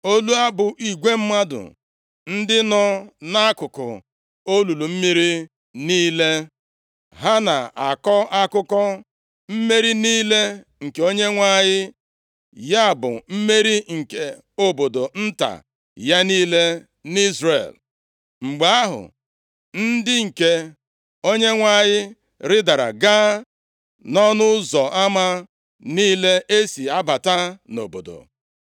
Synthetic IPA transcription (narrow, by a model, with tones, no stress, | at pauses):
o˦lu˦a˦bʊ˨ʔi˨ɡʷe˦m̩˦ma˦dʊ̰˨ | n̩˦dɪ˦nɔ˦na˦kʊ˨kʊ̰˨ | o˦lu˨lu˨m̩˦mi˦ɾi˦ | niː˦le˦ | ɦa˦na̰˨a̰˨kɔ˦a˦kʊ˦kɔ˦ | m̩˦me˦ɾi˦niː˦le˦ | ŋ̩˨ke˨o˦ɲe˦ŋʷa˦˨ɲɪ˦ | ja˦a˨bʊ̰˨m̩˦me˦ɾi˦ŋ̩˨ke˨ | o˨bo˨do˨n̩˦ta̰˨ | ja˦niː˦le˦ | ni˦zrḛ˨l | ŋ͡m̩˨ɡ͡ba˨a˦ɦʊ̰˨ | n̩˦dɪ˦ŋ̩˨ke˨ | o˦ɲe˦ŋʷa˦˨ɲɪ˦ | ɾɪ˦da˨ɾa̰˨ɡaː˦ | nɔ˦nʊ˦zɔ˨ʔa˦ma˦ | niː˦le˦ʔe˦si˨a˦ba˨ta˦no̰˨bo̰˨do̰˨